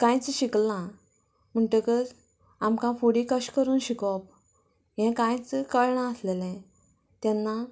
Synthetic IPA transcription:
kãjt͡sɕiklã | m̤əɳʈəkəɾ | amkãfoɽikəɕkəɾuːnɕikɔp | ɦɛ̃kãjt͡skəɭɳãəslelɛ̃ | t̪janːa

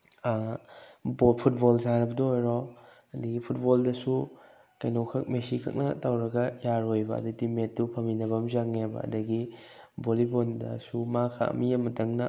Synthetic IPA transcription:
bopʰut̚bolzanɐbɐdoojɾo | ɐdɐɡipʰut̚boldɐsu | kɐjnokʰɐk̚mesikʰɐ̰k̚nɐ̰tɐwɾɐɡɐjaɾojbɐɐ̰dɐdimet̚dupʰɐminɐbɐmzaŋebɐ̰ɐ̰dɐɡibolibondɐ̰sumakʰa̰ɐ̰mijɐmɐtɐŋnɐ

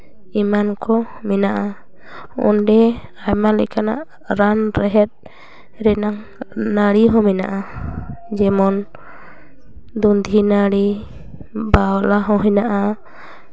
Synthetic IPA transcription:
imankʰɔmɛnaʔa | ṵnɖɛajmalɛ̰kana̰ʔ | ɾanɾɛɦɛt̪̚ | ɾɛnaŋ | naɽiɦɔ̃mɛna̰ʔa | d͡ʒɛmɔn | d̪und̪ʱinaɽi | baɔlaɦɔ̃ɦɛnaʔa

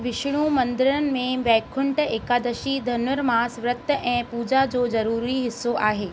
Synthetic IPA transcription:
ʋɪʃɽ̃ũmɐ̃nd̪ɪɾənɪ̆mẽʋɛːkʰʊɳʈeːkaːd̪əʃid̪ʱɐnʋəɾmãsʋɾət̪ːəʔɛ̃ːpuːd͡ʑad͡ʑoːzɐɾuːɾiɦɪsːoʔaːɦeː

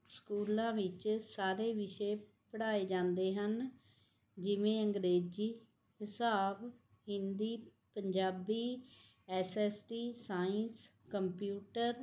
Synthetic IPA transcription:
skuːlãːʋɪt͡ʃsaːɾeːʋɪʃeː | pəɽaːeːd͡ʒãːnd̪eːɦən | d͡ʒɪʋẽːəŋɡɾeːd͡ʒiː | hɪsaːb | ɦɪnd̪iː | pəɲd͡ʒaːbiː | ɛːsɛːsʈiːsaːɪns | kəmpjuːʈəɾ

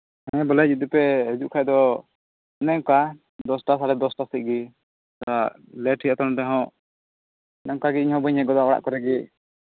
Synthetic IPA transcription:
hɛ̃bɔlɛd͡ʒid̪upɛɦɛd͡ʒuʔkʰajd̪ɔ | ɛnɛŋka | d̪ɔsʈas̬aɽɛd̪ɔsʈasiʔ̪̚ɡi | t̪a | lɛʈʰijat̪ɔnɔd̪ɛɦɔ̃ | ɛnɛŋkaɡiiɲhɔ̃bəɲhɛɡɔd̪aɔɽa̰ʔkɔɾɛɡi

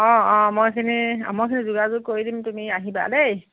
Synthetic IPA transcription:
ɔ̃ɔ̃mojkʰinia̰mokʰinizuɡazʊɡ̚koɹidimtumiaɦiba̰dej

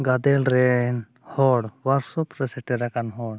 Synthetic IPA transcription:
ɡad̪ɛlɾɛn | hɔɽwaɾsɔpɾɛsɛʈɛɾakanɦɔɽ

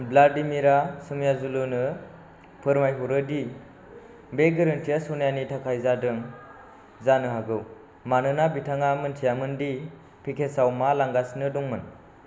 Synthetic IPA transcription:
blaɾdimiɾasɯmjazulɯnɯ | pʰɯɾmajɦuɾɯdi | beɡɯɾɯntʰijasonjanitʰakʰajzadɯŋ | zanɯɦaɡɯw | manɯnabitʰaŋamɯntʰijamɯndi | pʰikʰesawmalaŋɡasnɯduŋmɯn

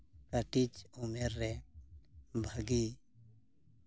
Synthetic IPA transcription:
kəʈit͡ʃumeɾːɛ | bʱəɡi

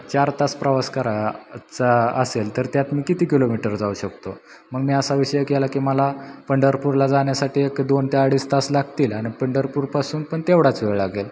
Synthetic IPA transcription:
t͡ɕaɾt̪aspɾəʋaskaɾat͡saəselt̪əɾt̪jat̪miːkit̪iːkilomiʈəɾd͡zauɕəkt̪o | məɡmiːasaʋiɕəjəkelakiːməlapəɳɖəɾpuɾlad͡zaɳjasaʈiːekd̪ont̪ʰeaɽiːst̪aslaɡʱt̪iːlaɽ̃ipəɳɖəɾpuɾpasuːnpəɳt̪eʋɽat͡sʋeɭaɡel

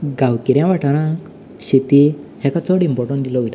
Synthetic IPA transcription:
ɡawkiɾjãʋaʈaɾã | ɕit̪ihɛkat͡sɔɽimpɔɾʈɔnd̪ilɔʋit̪a

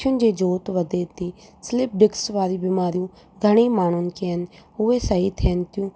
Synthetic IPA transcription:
ʊnd͡ʒeːd͡ʒoːt̪ʋəd̪eːt̪iːslɪp̚ɖɪksʋaːɾiːbɪmaːɾijũː | ɡʱəɽ̃eːmaːnoːnkeənʊeːsəiːt̪ʰeːnt̪ɪjũː

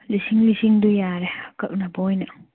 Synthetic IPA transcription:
lisiŋlisiŋdujaɾehakɐʔ̚nabɔjnɐ

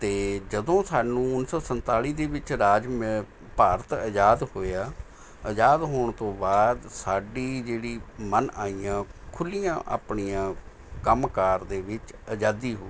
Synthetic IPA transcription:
t̪eːd͡ʒəd̪õːsaːnũːʊnsɔːsənt̪aːliːd̪eːʋɪt͡ʃɾaːd͡ʒme | paːɾət̪əd͡ʒaːd̪hoːaː | əd͡ʒaːd̪ɦoːɳt̪õːbaːd̪saːɖiːd͡ʒeːɽiːmənaːiːãːkʰʊlijãːʔa̰ːpɳijãː | kəmkaːɾd̪eːʋɪt͡ʃəd͡ʒaːd̪iːɦoːiː

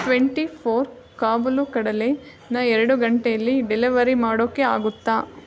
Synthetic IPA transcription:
ʈʋeɳʈipʰoːɾ | kaːbulukɐɽɐle | nɐɛɾɐɽuɡɐɳʈejɐlːiɖeliʋɐɾimaːɽoːkːea̰ːɡut̪ːaː

